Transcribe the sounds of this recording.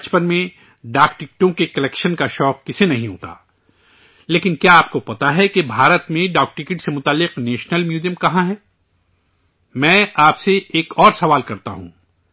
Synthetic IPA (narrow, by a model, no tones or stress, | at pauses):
bɐt͡ʃpənmẽ | ɖaːkʈɪk̚ʈõkekɐlɛkʃənkaʃɔːqːɪsenɐɦĩɦo̰ːt̪a̰ː | leːkɪnkjaaːp̚kopɐt̪aɦɛkebʱaːɾət̪mẽɖaːk̚ʈɪkɪʈsemʊt̪aːlːɪqneːʃnəlmjuːzijəmkɐɦãɦɛː | mɛ̃ːaːpseʔeːkɔːɾsɐʋaːlkɐɾt̪aɦṵ̃ː